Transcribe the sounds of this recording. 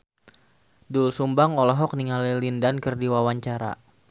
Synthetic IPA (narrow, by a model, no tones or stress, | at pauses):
dulsumbaŋɔlɔɦɔk̚niŋalilindankərdiwawaɲt͡ʃaɾa̰